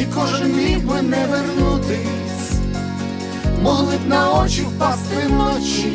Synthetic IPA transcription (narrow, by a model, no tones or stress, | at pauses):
ikɔʒmʲibɪnɛʋɛrnut̪ɪ | sʲ | mɔlˠɪt̪nɐɔt͡ʃixpast̪ɪnɔt͡ʃi